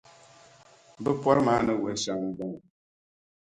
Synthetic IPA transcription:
bɨ˦pɔ˦ɾɨ˦maː˨˦nɨ˦wɛ˨˦ʃa˨ŋ˨bɨ˨ŋ˨

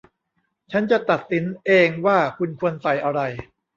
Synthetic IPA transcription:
t͡ɕʰa˦˥nt͡ɕa˨˩t̪a˨˩t̪̚si˩˦nʔeː˧ŋwaː˥˩kʰu˧nkʰu˧ənsa˨˧˩jʔa˧ɾa˧j

